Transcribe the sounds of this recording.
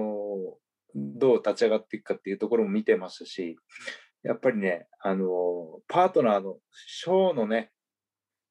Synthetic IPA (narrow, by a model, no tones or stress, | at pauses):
o | d̪o̞ːt̪at͡ɕiaɡat̪ːeikɯ̟̥kat̪ːeiɯ̟ːt̪o̞ko̞ɾo̞mo̞mʲit̪e̞maɕi̥t̪aɕi | ja̰pːaɾʲine̞ano̞pʰaːt̪o̞naːno̞ | ɕo̞ːno̞ne̞